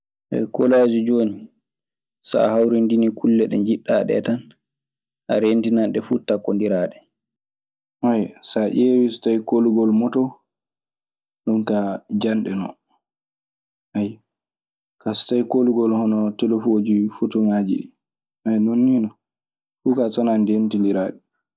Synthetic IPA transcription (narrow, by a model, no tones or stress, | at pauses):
ʔɛ̰jkɔlad͡ʒid͡ʒoːni | sa̰hawɾindinikʰulːɛɗɛ̰ɲd͡ʒiɗːaɗɛ̰tan | ʔa̰ɾentinanɗɛfutakːondiɾaɗɛ | hajsaʔʲewistajkoluɡɔlmɔtɔ | ɗumkad͡ʒanɗɛnɔ̰ | ʔaj | kastajkoluɡɔlhɔnɔtɛlɔfod͡ʒifutuŋaːd͡ʒḭɗi | ajnonːinɔ | fukasɔnandentindiɾaːɗɛ